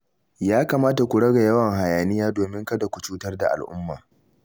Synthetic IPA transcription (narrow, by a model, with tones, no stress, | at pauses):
jaː˦kaː˨maː˦ta˨kʷu˨ɽɐ˦ɡa˨jɐ˦wɐ˨ŋɦa˨jaː˨nɪ˦jaː˦doː˨mɪ˦ŋkɐ˦da˨kʷu˨t͡ʃuː˦tɐ˦rda̰˨ʔa̰˨lʔʊ̰˦mːa̰ː˨